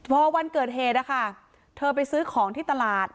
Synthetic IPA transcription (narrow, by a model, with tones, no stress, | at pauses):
pʰɔː˧wa˧nkɤː˨˩t̪̚ɦeː˨˩t̪̚la˧˩kʰa˥˩ | t̪ʰɤː˧p̬a˧jsɯː˦˥kʰɔː˩˦ŋt̪ʰiː˥˩t̪a˧laː˨˩t̪̚